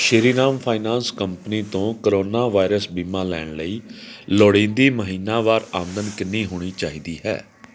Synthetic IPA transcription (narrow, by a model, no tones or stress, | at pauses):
ʃɪɾiːnaːmpʰaːɪnaːnskəmpniːt̪õːkəɾoːnaːʋaːɪɾəsbiːmãːlɛ̰ːɳləiːloːɽẽːnd̪iːməɦiːnaːʋaːɾaːmd̪ənkɪnːiːɦoːɽ̃iːt͡ʃaːiːd̪iːɦɛ̰ː